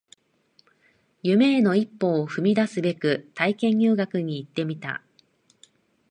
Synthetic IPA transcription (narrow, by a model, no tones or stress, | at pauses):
jɯ̟me̞ːno̞ipːo̞ːɸɯ̟mʲid̪asɨbe̞kɯ̟t̪aikẽ̞ɲjɯːɡakɯ̟ɲ̟iːt̪ːe̞mʲit̪a̰